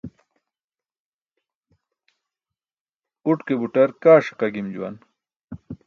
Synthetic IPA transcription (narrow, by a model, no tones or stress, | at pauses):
uʈkebuʈɐɾkaːʂi̥qɐɡimd͡ʑuwɐ̰n